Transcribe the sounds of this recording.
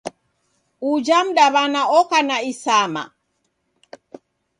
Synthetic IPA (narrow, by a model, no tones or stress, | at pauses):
ud͡ʒam̩ɗaβanaɔkanaisama̰